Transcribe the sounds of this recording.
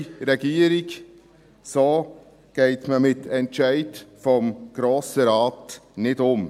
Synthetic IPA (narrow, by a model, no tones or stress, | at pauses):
ɾɛɡ̥iːəɾiɡ | soː | ɡ̥ɛɪtməmɪtʰɛntʃæɪtfɔmɡ̥ɾoːsəɾɑːtnɪdʊm